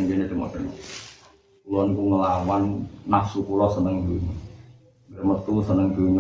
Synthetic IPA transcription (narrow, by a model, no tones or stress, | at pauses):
ŋd͡ʒenid̪əŋɔ̰dəŋɔ̰ | kulɔnkuŋəlawanːahsukulɔsənəŋɡəŋə | dɾəmət̪usənəŋɡəŋ